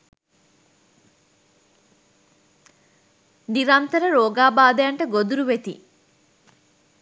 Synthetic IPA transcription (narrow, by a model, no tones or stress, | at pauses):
niɾant̪ɐɾɐɾoːɡaːbaːd̪ɐjɐɳʈɐɡod̪uɾuʋet̪ḭ